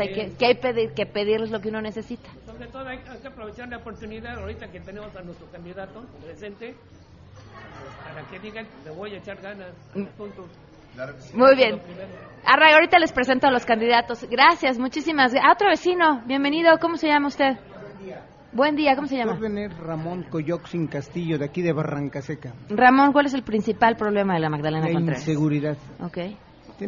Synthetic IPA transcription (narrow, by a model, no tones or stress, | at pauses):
ajkekeajpeðiɾke̞pe̞ðiɾle̞zlo̞k̬euno̞ne̞se̞sit̪ḁsoβɾet̪oðoajajkeapɾoβet͡ʃaɾnaopoɾt̪uniðaðawɾit̪aket̪enemosanwest̪ɾokand̪iðat̪opɾesent̪e | espaɾakeðiɣasmeβojet͡ʃaɾɣanas | punt̪os | mujβjenaraɣaoɾit̪ale̞spɾe̞se̞nt̪oalo̞skand̪iðat̪o̞zɣɾasjazmut͡ʃisimazao̞t̪ɾoβ̞e̞sino̞βje̞mbe̞nið̞o̞ko̞mo̞se̞ʝamaust̪e̞ð | bwe̞nd̪iako̞mose̞ʝammaβeneɾramõŋkoʝoksiŋkast̪iʝoðeakiðeβaraŋkasekaramõŋkwale̞s̬e̞lpɾinsipalpɾo̞β̞le̞maðelamaɣðalenakoniɾnesseɣuɾiðaðokej | t̪